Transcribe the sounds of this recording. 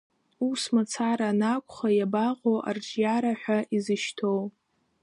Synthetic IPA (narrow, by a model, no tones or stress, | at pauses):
usmat͡sʰaɾanakʷʰʼχajabaʁowʔa̰rd͡ʒjaɾaħʷᶣaʔizɨʃtʰow